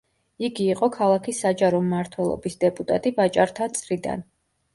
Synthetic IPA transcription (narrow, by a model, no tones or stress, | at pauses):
iɡiːqʼɔkʰalˠakʰisːad͡ʒaɾɔmːaɾt̪ʰwɛlˠɔ̰bisd̪ɛpʼut̪ʼa̰t̪ʼibat͡ʃʼaɾt̪ʰat̪sʼɾid̪a̰n